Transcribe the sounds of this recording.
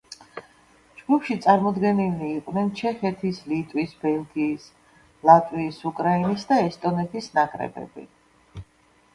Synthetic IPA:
d͡ʒɡupʃit̪sʼaɾmɔd̪ɡɛniliːqʼnɛnt͡ʃʰɛχɛt̪ʰislit̪ʼwisbɛlɡiːs | lˠat̪ʼwiːsukʼɾainisd̪aɛst̪ʼɔnɛt̪ʰisnakʼɾɛ̰bɛ̰bḭ

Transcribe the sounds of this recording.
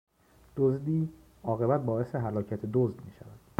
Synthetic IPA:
d̪̥ozd̪iː | ɒːɣe̞bæt̪̚bɒːe̞seɦælɒːcʰæt̪ʰed̪ozd̪miːʃævæd̪̥

